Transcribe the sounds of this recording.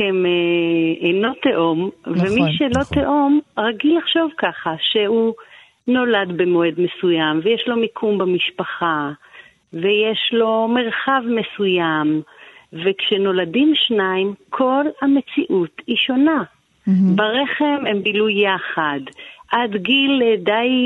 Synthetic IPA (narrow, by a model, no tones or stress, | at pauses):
emeeno̞t̪eʔomvemiʃelo̞t̪eʔo̞mʁaɡilaχʃo̞vkaχaʃe̞hu | no̞ladbemo̞ed̪me̞sujamvejeʃlo̞mikʰumbamiʃpaχa | veje̞ʃlo̞meʁχavme̞sujamvekʃeno̞ladimʃnaimkʰo̞lhame̞t͡siʔutiʃo̞na | baʁe̞χe̞me̞mbilujːaχad̪ʔad̪ɡildaj